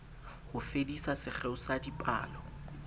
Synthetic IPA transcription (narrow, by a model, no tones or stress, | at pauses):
hʊfedisasɪk͡xʰɛʊsadipʼa̰ːlɔ